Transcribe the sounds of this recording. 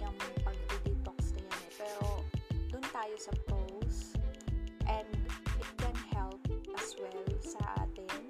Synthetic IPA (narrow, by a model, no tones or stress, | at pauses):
ʊŋpɐɡ̚dɪd̪ɪt̪oksnɐjanpɛːɾod̪ʊnt̪aːjosɐpɾows | ʔɛ̃nd̪ʔɪt̪̚kɛ̃nhɛlp̚ʔɐswɛlsɐʔa̰ːt̪ɪn